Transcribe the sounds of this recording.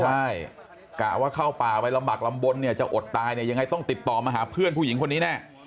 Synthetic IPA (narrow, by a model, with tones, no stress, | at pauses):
a˥˩j | kaː˨˩waː˥˩kʰaː˥˩wpaː˨˩k̚pa˧jla˧mbaː˨˩k̚la˧mbo˧nːi˥˩ɐt͡ɕa˨˩ʔo˨˩t̪ːaː˧jni˥˩ja˧ŋːa˧jt̪ɔ˥˩ŋt̪i˨˩t̪ːɔː˨˩maː˧ɦaː˩˦pʰɯ˥˩ənpʰuː˧˥˩ji˩˦ŋkʰo˧nːiː˦˥nɛː˥˩